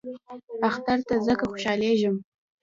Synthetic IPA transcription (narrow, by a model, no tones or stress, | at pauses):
axt̪aɾt̪azəkaxo̥ʃɑleʒəm